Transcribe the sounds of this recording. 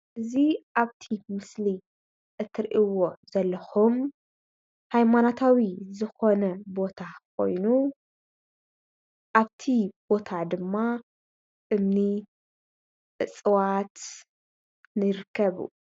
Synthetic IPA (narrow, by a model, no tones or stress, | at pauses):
ʔɨziʔaβt̪ʰimɨsli | ʔɨt̪ʰːɨɾʔiwozɐlːɐxum | hajmanat̪ʰawizɨxo̞nɐbo̞t̪ʰak̚ʰo̞̰jnu | ʔaβt̪ʰib̥o̞t̪ʰad̪ɨmːa | ɨmni | ʔɨt͡sʼɨwat̪ | nɨɾɨkʰːɐβṵ